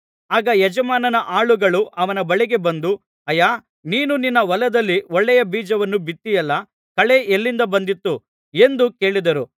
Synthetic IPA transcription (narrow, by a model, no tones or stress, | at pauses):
aːɡɐjɛd͡ʒɐmaːnɐnɐʔaːɭuɡɐɭuʔɐʋɐnɐbɐɭiɡe̞bɐnd̪u | ɐjaː | niːnuninːɐʋɐlɐd̪ɐlːiɔɭːɛjɐbiːd͡ʒɐʋɐnːubit̪ːijɐlːɐ | kɐɭeʔelːind̪ɐbɐnd̪it̪ːu | e̞nd̪uke̞ːɭid̪ɐɾu